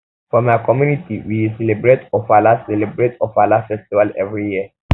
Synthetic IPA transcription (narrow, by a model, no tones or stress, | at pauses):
fɔmajkɔmjunitiwisɛlebɹetɔfalassɛlɛbɹetɔfalafɛstivalɛ̰vɹijiə